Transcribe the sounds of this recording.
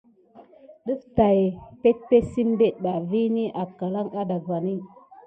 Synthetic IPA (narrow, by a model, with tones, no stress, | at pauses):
ɗə˦fta˨jpe˦t̚pe˦si˦m˦be˦t̚ɓa˨vi˦ni˦ʔa˨ka˨la˦ŋa˦da˨ɡwa˨ni˦